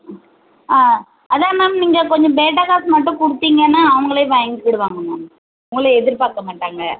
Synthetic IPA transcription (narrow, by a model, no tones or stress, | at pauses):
aː | ɐðaːnaːmniːŋɡɐkɔɲd͡ʒɔ̃beːʈːaːkaːsmɐʈːɯ̃kʊɽɯt̪ːiːŋɡɐnːaːɐʋɐŋɡɐɭeːʋɐjɐŋɡɯʋɪɽɯʋaːŋɡɐnːʊ̃ | ʊŋɡɐɭɯɛðɪɾpaːkːɐmaːʈːaːŋɡɐ